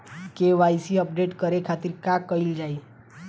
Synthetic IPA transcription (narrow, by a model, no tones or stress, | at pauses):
keʋajsiəp̚ɖeʈkəɾekʰat̪iɾkakəild͡ʒai